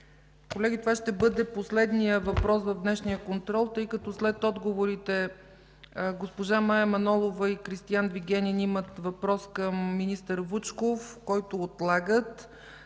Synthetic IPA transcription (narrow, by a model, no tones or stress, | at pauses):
kolɛɡʲit̪ovaʃt̪ɛbɤd̪ɛposlɛd̪nijəvɐpɾɔsvəvd̪nɛʃnijəkont̪ɾɔlˠt̪ɤjkɐt̪ɔslɛt̪ɔd̪ɡovoɾit̪ɛ | ɡospoʒamajəmɐnɔlˠovɐikɾist̪ijanviɡʲɛnʲinimət̪vɐpɾɔskəmːinist̪əɾvut͡ʃkofkɔjt̪oːt̪lˠaɡət̪